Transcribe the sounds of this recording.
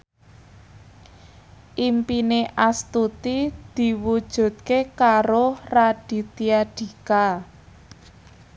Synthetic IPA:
ʔimpineʔast̪ut̪id̪̥i̤wud̥ʒ̥ṳt̪̚kekaɾoraɖ̥i̤t̪iaɖ̥i̤ka

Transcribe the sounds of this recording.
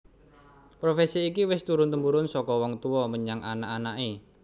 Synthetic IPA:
pɾofɛsiːkiwɪst̪uɾʊnt̪əmbuɾʊnsɔkɔwɔŋt̪uɔməɲaŋʔa̰naʔanaʔe

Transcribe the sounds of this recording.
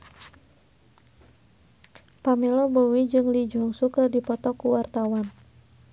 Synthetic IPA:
pamɛlɔbɔwid͡ʒɨŋlid͡ʒɔŋsukərdipɔt̪ɔkuwart̪awan

